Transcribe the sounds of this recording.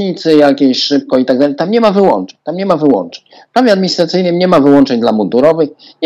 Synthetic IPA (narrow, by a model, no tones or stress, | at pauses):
ɲit̪sɘjakʲeɕʂɘp̚kɔit̪aɡ̚d̪alɛjt̪amɲɛmavɘwɔ̰nt͡ʂɛɲt̪amɲɛmavɘwɔ̰nt͡ʂɛ̥ɲ | pɾavʲjɛad̪̚mʲiɲist̪ɾat̪sɘjnɘmɲɛmavɘwɔnt͡ʂɛɲd̪lamud̪uɾɔvɘx | ɲ